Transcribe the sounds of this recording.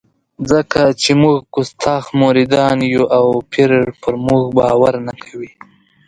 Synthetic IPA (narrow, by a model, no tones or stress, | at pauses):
zəkat͡ʃemuɣkʊst̪ʰɑxmoɾid̪ɑnjuʔawpʰiɾʐpəɾmuɣbɑwaɾnakʰḁwi